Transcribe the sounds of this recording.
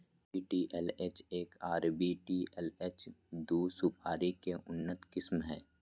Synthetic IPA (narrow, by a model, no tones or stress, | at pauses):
piːʈiːʔɛleːt͡ʃeːkaːɾbiʈiːɛleːt͡ʃd̪uːsupʰaːɾikeʔʊnːət̪kɪsmɦɛː